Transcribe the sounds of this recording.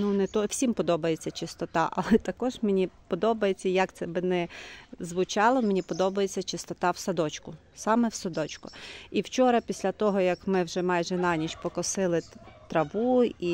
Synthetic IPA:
nunɛt̪ɔwsʲimpɔd̪ɔbɐjet͡sʲːɐt͡ʃɪst̪ɔt̪ɑʔɐ̰lˠɛt̪ɐkɔʒmʲenʲipɔd̪ɔbɐjet͡sʲːɐjɐkt̪sɛbɪnɛzʋʊt͡ʃɑlˠɔmʲenʲipɔd̪ɔbɐjet͡sʲːɐt͡ʃɪst̪ɔt̪ɑwsɐd̪ɔt͡ʃkʊ | sɑmɛwsɐd̪ɔt͡ʃkʊiwt͡ʃɔɾɐpʲisʲlʲɐt̪ɔɦɔjɐkmɪwʒɛmɑjʒɛnɑnʲiʃpɔkɔsɪlˠɪt̪ɾɐʋui

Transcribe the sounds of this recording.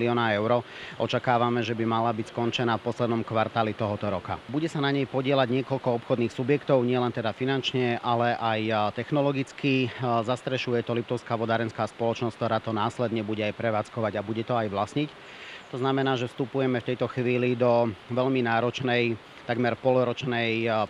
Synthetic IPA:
liɔːnaɛʊɾɔʔɔt͡ʃakaːʋamɛʒɛbimalabicskɔnt͡ʃɛnaːfpɔslɛd̪nɔmkʋaɾt̪aːlit̪ɔɦɔt̪ɔɾɔka̰buɟɛsanaɲɛjpɔɟɪɛlaɟɲɪɛkɔʎkɔɔpxɔd̪niːxsubjɛkt̪ɔʊɲɪɛlɛnt̪ɛd̪afinant͡ʃɲɛʔalɛʔajt̪ɛxnɔlɔɡit͡skizast̪ɾɛʃujɛt̪ɔlip̚t̪ɔʊskaːʋɔd̪aɾɛnskaːspɔlɔt͡ʃnɔskt̪ɔɾaːt̪ɔnaːslɛd̪ɲɛbuɟɛajpɾɛʋaːt͡skɔʋaɟabuɟɛt̪ɔajʋlasɲic | t̪ɔznamɛnaːʒɛfst̪upujɛmɛft̪ɛjt̪ɔxʋiːlid̪ɔʋɛʎminaːɾɔt͡ʃnɛj | t̪aɡmɛɾpɔlɾɔt͡ʃnɛj

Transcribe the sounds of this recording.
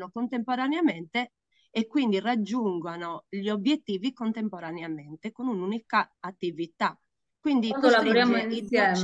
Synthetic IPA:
nokont̪empoɾaneament̪eː | kwind̪irad͡ʒːuŋɡwanoʎobjet̪ːiːvikont̪empoɾaneament̪ekonununikaat̪ːivit̪a | kwind̪iollaoɾjamiisjɛ

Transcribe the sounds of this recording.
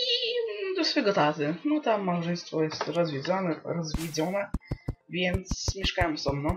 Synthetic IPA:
id̪ɔsfɛɡɔt̪at̪ɘnɔt̪amːawʐɛj̃st̪fɔjɛst̪ɾɔzvʲjed̪zɔnɛɾɔzvʲid̪zɔnɛvʲjɛnt̪smʲjɛʂkawɛmsɔmnɔ̃w̃

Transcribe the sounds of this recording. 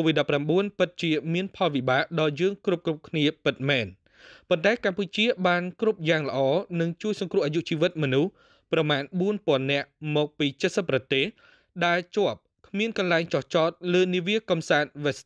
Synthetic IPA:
koːʋit̪̚ɗɑpːramɓuənpɨt̪̚t͡ɕiəmiənpʰɑlʋiɓaːʔɗɑːjəːŋkrup̚krup̚kʰniəpɨt̪̚mɛːn | pont̪aɛkamput͡ɕiəɓaːnkrup̚jaːŋlə̆ʔɑːnɨŋt͡ɕuəjsɑŋkrʊ̆əʔaːjuʔt͡ɕiːʋɨt̪̚mɔnuh | prɑmaːnɓuənpŏənːɛ̆əʔmɔːk̚piːt͡ɕət̪̚səpːrɑt̪eːh | ɗaɛlt͡ɕŏəp̚kʰmiənkɑnlaɛŋt͡ɕɑht͡ɕɑːt̪̚ləːniəʋiəkɑmsaːt̪̚ʋɛs

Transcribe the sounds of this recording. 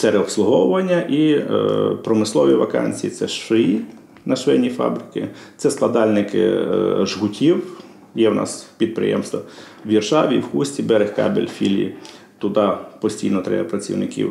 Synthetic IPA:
sɛɾɛɔpslˠʊɦɔwʊʋɐnʲːɐʔi | pɾɔmɪslˠɔʋʲiʋɐkɑ̰nʲt͡sʲijit̪sɛʃʋɪji | nɐʃʋɪnʲifɑ̰bɾɪkɪ | t̪sɛsklˠɐd̪ɑlʲnɪkɪ̰ʒɦʊtʲiw | jɛwnʔɑ̰spʲid̪̚pɾɪ̰jɛ̰mst̪ʋɐ | ʋʲirʃɑʋʲiwxusʲtʲibɛɾexkɑ̰bḛlʲfʲḭlʲḭ | t̪ʊd̪ɑpɔsʲtʲijnɔt̪ɾɛ̰jɐpɾɐt͡sʲḭwnɪkʲḭw

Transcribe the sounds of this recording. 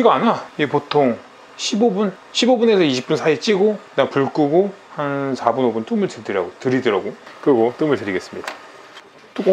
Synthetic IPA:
iɡaːnaiepotʰoŋ | ɕʰibobun | ɕʰibobune̞sʰʌiɕʰi̥p͈unsʰait͡ɕ͈iɡoknakpuɭk͈uɡo | hansʰabunobunt͈ɯmɯɭtɯdɯɾa̰ɡotɯɾidʌɾaɡokɯɾɡot͈ɯmɯɭtɯɾiɡe̞s͈ɯmɲida | t͈

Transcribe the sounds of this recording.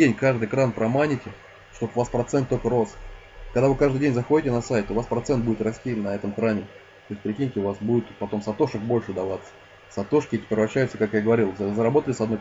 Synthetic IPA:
enʲkaʐd̪ɨjkɾanpɾɐmanʲɪtʲɪ | ʂt̪o̞pʊvaspɾɐt̪sɛnt̪ːolʲkəɾo̞s | kɐɡd̪avɨkaʐd̪ɨjdʲenʲzɐxodʲɪtʲɪnɐsajt̪ʊːvaspɾɐt̪sɛnt̪̚budɪt̪rɐsʲtʲinɐɛt̪əmxɾamʲɪ | t̪ojɪs̚ʲpɾʲɪkʲinʲɪtʲɪʊvasbudʲɪt̪pɐt̪o̞msɐt̪o̞ʂək̚bo̞lʲʂɨd̪ɐvat̪sə̥ | sɐt̪o̞ʂkʲɪetʲɪ̥pʲɪɾvɐɕːæjʊt̪səkakjaɡəvɐɾʲilˠzzəɾɐbo̞t̪əlʲɪsɐd̪no

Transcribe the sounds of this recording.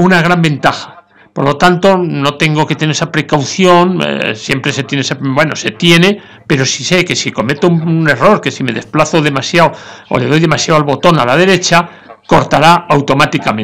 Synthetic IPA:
unaɣ̞ɾambẽ̞nt̪axḁ | poɾlo̞t̪ant̪o̞no̞t̪e̞ŋɡo̞ke̞t̪eneɾesapɾe̞kawθjo̞n̰sje̞mpɾe̞se̞t̪jeneesabwe̞no̞se̞t̪je̞ne̞ | pe̞ɾo̞sise̞ke̞siko̞me̞t̪one̞ro̞ɾke̞sime̞ðe̞splaθo̞ðe̞masjaoo̰leð̞o̞jðe̞masjawalβot̪o̞nalað̞e̞ɾe̞t͡ʃa | ko̞ɾt̪aɾaawt̪o̞mat̪ikamẽ

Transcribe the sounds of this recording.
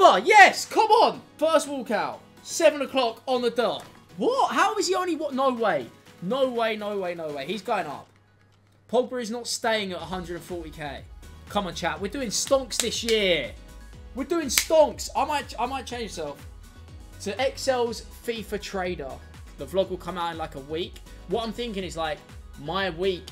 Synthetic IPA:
bəjɛskʰʌ̃mə̃nfɜˑst̚wɔːˑlˠkʰaʊ | sɛvə̃nəkʰl̥ɒkə̃nðədɑˑk | wɒthaʊɪz̥iə̃ʊ̃nliwɒʔnəʊweɪnəʊweɪnəʊweɪnəʊweɪizɡɔʊɪ̃ŋʌ̰p̚ | pʰɔl̚ˠbəɹɪznətsteɪɪ̃ŋətəɦʌ̃ndɹədə̃nfɔˑtikʰeɪkʰʌ̃mə̃nt͡ʃʰaʔwɪɹdʉɪ̃ŋstɔ̃ŋksðɪsjɪə | wɪdʉɪ̃ŋstɔ̃ŋksaɪmaɪtaɪmaɪt̚t͡ʃʰẽɪ̃nsɛlˠf | tʰəʔɛksɛlˠz̥ | fifətʰɹ̥eɪdə̰ | ðəflɒɡwɪlˠkʰʌ̃maʊtɪ̃nlaɪkəwiˑk | wʌɾãɪ̃mθɪ̃ŋkɪ̃ŋɪzlaɪk̚ | maɪəwiˑk

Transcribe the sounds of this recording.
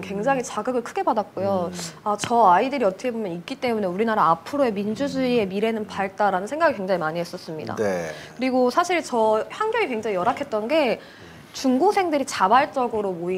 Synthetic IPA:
kwe̞ŋd͡ʑaŋit͡ɕaɡɯɡɯɭkʰɯɡe̞badak̚k͈ojoat͡ɕʌaidɯɾiʌt͈ʌkʰebomjʌnik̚k͈it͈e̞mune̞uɾinaɾaapʰɯɾoe̞mind͡ʑud͡ʑuie̞miɾe̞nɯnpaɭt͈aɾanɯnsʰe̞ŋɡaɡikwe̞ŋd͡ʑaŋimaɲies͈ʌs͈ɯmɲḭda̰dkɯɾiɡosʰaɕʰiɭt͡ɕʌhanɡjʌŋikweŋd͡ʑaŋijʌɾakʰet̚t͈ʌnɡe̞ | t͡ɕuŋɡosʰe̞ŋdɯɾit͡ɕabaɭt͡ɕ͈ʌɡɯɾomoi

